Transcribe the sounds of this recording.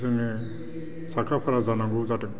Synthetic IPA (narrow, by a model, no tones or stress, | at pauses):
sɯŋɛ | sakʰapʰaɾazanaŋɡɔzatɯŋ